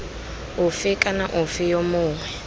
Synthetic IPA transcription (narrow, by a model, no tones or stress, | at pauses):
ʊfɪkʼanaʔʊfɪjomʊːŋwɛ